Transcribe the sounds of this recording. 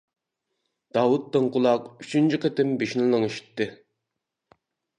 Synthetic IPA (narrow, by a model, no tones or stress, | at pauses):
d̪̥ɑwut̪ːɨŋqʰʊlˠɑqyt͡ʃʰynt͡ʃʰiqet̪ɪmbeʃnɪlˠəŋeʃi̥t̪ːɨ